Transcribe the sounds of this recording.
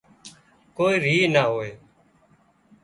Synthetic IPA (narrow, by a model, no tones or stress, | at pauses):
koːiːɾiːnaːɦoːeː